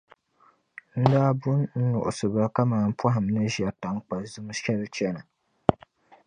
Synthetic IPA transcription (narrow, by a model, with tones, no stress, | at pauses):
n̩˦daː˦bʊ˦nn̩˦nʊ˨ʔʊ˨sɨ˨ba˦ka˦maː˨n̩˦pʰa˦ɦɪ˨m˨nɨ˦ʒi˨a˨ta˨ŋ˦k͡pa˨zɨ˦m˦ʃɛ˦lɨ˦t͡ʃɛ˦nɨ˨